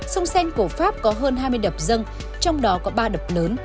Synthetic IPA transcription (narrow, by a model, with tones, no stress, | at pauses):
sə˧wŋ͡msɛ˧jŋ̟ku˧˩əfaː˦˥p̚kɔ˨˦ɦəː˧nɦaː˧jmɨ˧jɗə˨˩p̚zə˧ŋ | t͡ɕɔ˧wŋ͡mɗɔ˨˦kɔ˨˦ɓaː˧ɗə˨˩p̚ləː˨˦n